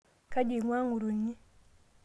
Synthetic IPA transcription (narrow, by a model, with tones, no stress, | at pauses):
ka˦d͡ʒi˨ŋwa˦ŋu˨ɾu˨ɲi˦